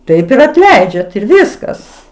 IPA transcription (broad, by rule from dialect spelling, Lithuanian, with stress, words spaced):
ˈtɐɪp ɪr ɐtʲˈlʲɛɪd͡ʒʲɛt ɪr ˈʋʲɪskɐs